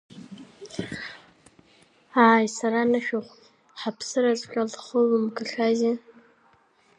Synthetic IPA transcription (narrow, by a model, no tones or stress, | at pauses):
aːjsaɾanaʃᶣoχʷ | ħapʰsɨɾazʷʼkʲʷʼalχəlɨmɡɨɬaze